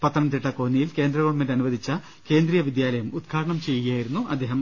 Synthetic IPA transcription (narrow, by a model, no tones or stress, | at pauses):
pɐt̪ːɐɳɐnt̪iʈːɐko̞ːnːijilke̞ːnd̪ɾɐɣɐɭmendɐnuʋɐd̪it͡ɕːɐ | ke̞ːnd̪rijɐʋid̪jaːlɐjɐmud̪kʰaːɾɐɳɐmt͡ɕe̞jjaːjiɾunːuʔɐd̪ːe̞ːɦɐm